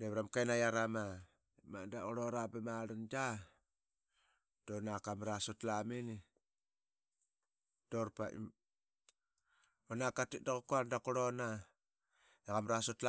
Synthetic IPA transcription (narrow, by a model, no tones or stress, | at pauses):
deβɾamkajnajaɾama | ma̰ndaoɾoɾabemaɾand͡ʒa | d̥onakamɾasotlameni | d̥oɾpaḭm | onakatidakokoadakoɾona | eɣamɾasotla